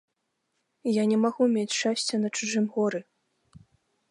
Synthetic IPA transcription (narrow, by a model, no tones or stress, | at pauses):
janʲɛmaɣumʲet͡sʲʂasʲt͡sʲɛnɐt͡ʂɨʐɨmɣɔɾɨ